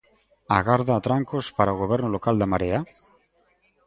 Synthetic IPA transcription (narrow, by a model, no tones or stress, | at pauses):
a̰ɣaɾðaːt̪ɾaŋkospaɾaoɣoβ̞eɾnolokald̪amaɾea